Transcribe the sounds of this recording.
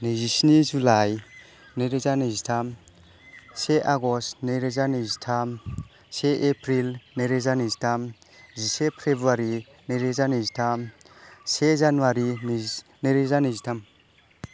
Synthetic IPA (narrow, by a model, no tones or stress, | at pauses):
nizisnizulaj | neɾezanizitʰam | seʔaɡɔstneɾezanizitʰam | seʔepʰɾilneɾezanizitʰam | zisepʰɾebɾuaɾi | neɾezanizitʰam | sezanuwaɾinineɾezanizitʰam